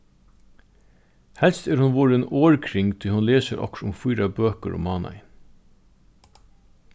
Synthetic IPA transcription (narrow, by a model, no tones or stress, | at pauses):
hɛlst̪æːɾhʊnʋuːɹəeːnoːɹkʰɾɪŋt̪ʰiːhʊnleːsəɾʔɔ̰kʃʊ̰mfʊːɾɑbøːkəɾʊ̰mɑːnɑ̰ɪn